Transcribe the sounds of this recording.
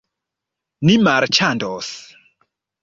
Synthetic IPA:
nimaɾt͡ʃandɔs

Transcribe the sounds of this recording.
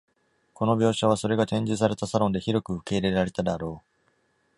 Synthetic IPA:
ko̞no̞bʲo̞ːɕaβ̞aso̞ɾe̞ɡat̪ẽ̞ɲ̟d͡ʑɨs̬aɾe̞t̪asaɾõ̞nd̪e̞çiɾokɯ̟ɯ̟ke̞iɾe̞ɾaɾe̞t̪ad̪eaɾo̞ː

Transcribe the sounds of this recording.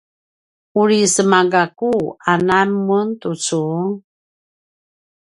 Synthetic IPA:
uɾisəmaɡakuanamuntut͡su

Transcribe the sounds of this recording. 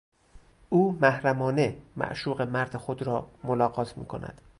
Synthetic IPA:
ʔuːmæhɾæmɒːne̞mæ̰ʔʃuːɣe̞mæɾd̪exod̪ɾɒːmolɒːɢɒːt̪ʰmḭːkʰo̞̰næ̰d̪̥

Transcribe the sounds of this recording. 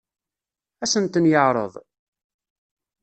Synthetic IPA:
æsənt̪ənjəʕɾˤə̰ðˤ

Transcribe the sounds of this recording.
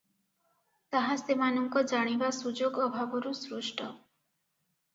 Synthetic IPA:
t̪aɦasemanɔŋkɔd͡ʒaɽ̃ibasud͡ʒoɡɔbʱabɔɾusɾuʃʈʰɔ

